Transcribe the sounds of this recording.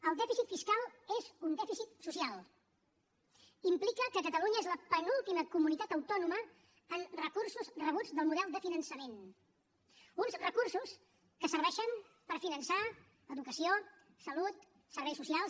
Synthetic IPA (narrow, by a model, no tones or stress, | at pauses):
əlˠd̪ɛfisit̪fiskalˠezund̪ɛfisit̪susialˠ | implikəkəkət̪əluɲəezləpənulˠt̪iməkumunit̪at̪əwt̪ɔnumə | ənrəkursuzrəβ̞ud͡zðəlˠmuðɛlˠd̪əfinənsəmen | unzrəkuɾsus | kəsəɾβɛʃəm | pəɾfinənsa | əðukəsio | səlut̪ | səɾβɛjsusialˠ